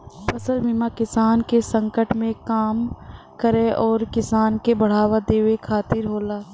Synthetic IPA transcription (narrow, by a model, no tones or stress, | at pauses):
pɐsəlmɪmakɪsaːnkesə̃ŋkəʈmẽkaːm | kəɾeʔɔːɾkɪsaːnkebɐɽ̤aːʋad̪eːʋekʰaːt̪ɪɾɦoːlaː